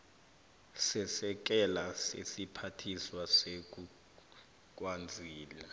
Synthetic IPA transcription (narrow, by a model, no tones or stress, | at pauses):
sɛsɛk̬ɛlasḛsipʰatʰiswasek̬ʼu | k̬ʼwand͡zʱiːla